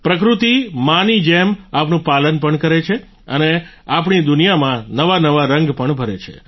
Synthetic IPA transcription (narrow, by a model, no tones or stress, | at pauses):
pɾəkɾut̪imanid͡ʒemapnũpalənpəɳkəɾet͡ʃʰe | əne | apɳ̃id̪ʊnijamãnəʋanəʋaɾəŋɡpəɳbʱəɾet͡ʃʰḛ